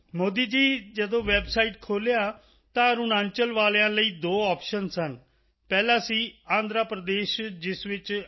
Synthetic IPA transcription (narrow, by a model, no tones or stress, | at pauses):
moːd̪iːd͡ʒiːd͡ʒəd̪õːʋɛbsaːiːʈkʰoːlejaː | t̪ãːɾunãːnt͡ʃəlʋaːlːãːləiːd̪oːɔːpʃənsən | pɛːlãːsiːãːnd̪ɾaːpɾəd̪eːʃd͡ʒɪsʋɪt͡ʃ